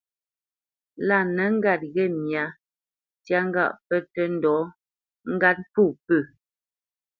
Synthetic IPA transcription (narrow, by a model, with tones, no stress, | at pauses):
la˦˨nə˨˦ŋ̩˦ɡa˨t̚ɣɛ˦˨mja˨˦ | tja˦ŋ̩˦ɡa̰˦˨ʔpə˦tə˦n̩˦dɔ˨˦ | ŋ̩˦ɡa˦t̚pu˦˨pə˦˨